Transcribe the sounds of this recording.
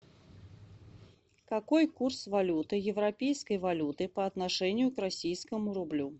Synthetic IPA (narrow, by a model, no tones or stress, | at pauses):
kakɔjkursvalʲut̪ɨjɛwɾapʲejskɐjvalʲut̪ɨpɐːt̪naʂɛnʲːjukrasʲijskɐmuɾublʲu